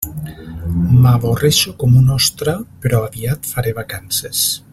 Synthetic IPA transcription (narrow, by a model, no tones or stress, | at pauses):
maβoreʃokomunɔst̪ɾapeɾɔaβiat̪faɾeβakanses